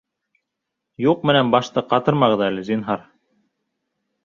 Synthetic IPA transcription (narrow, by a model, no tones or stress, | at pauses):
juq̚mɘ̆nænbɑʃt̪ɤqɑt̪ɤɾmɑʁɤ̆ðælɘzinɦɑɾ